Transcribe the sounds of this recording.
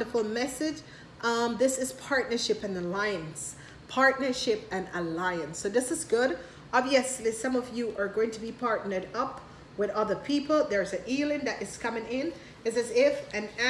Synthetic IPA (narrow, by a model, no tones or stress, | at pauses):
də˞fl̩ˠmɛsɪ̥ʒ | ʔʌðɪsɨz̥pʰɑɹtⁿnə˞ʃɪpɨ̃nəlaɪɨ̃ns | pʰɑɹtⁿnə˞ʃɪpɨ̃nəlaɪɨ̃nsːoʊðɪsɨzɡʊɾ | ɑbviɨslisʌ̃mʌvjɨʔə˞ɡoʊɪ̃ŋtʰɨbipʰɑɹtⁿnə˞ɾʌp | wɨðʌðə˞pʰipl̩ˠðə˞zɨ̃nʔilˠɨ̃nðɨɾɨz̥kʰʌmɪ̃ŋɪ̃n | ɨzɨzɪfɨ̃næ